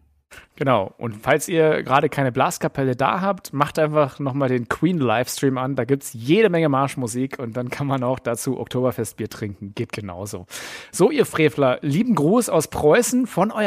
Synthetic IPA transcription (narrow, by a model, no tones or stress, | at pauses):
ɡ̥ənaʊʔʊ̰ntfalsiːɐɡʁaːɾəkʰaɪnəblaːskʰapʰɛləda̰ːɦaːptmaχtʔaɪnfaχnɔχmaːldeːnkʰw̥iːnlaɪfstʁ̥iːmandaːɡiːp̚tsjeːɾəmɛŋəmaɐʃmuziːkʰʊnt̚d̥ankʰanmanaʊxd̥aːt͡suːʔɔ̰ktʰoːbɐfɛst̚b̥iːɐtʁ̥ɪŋkŋ̩ɡ̥eːt̚ɡ̥əna̰ʊzo̰ːz̥oːʔiːɐfʁ̥eːflɐliːbm̩ɡʁuːsaʊspʁ̥ɔʏsn̩fɔnʔɔʏ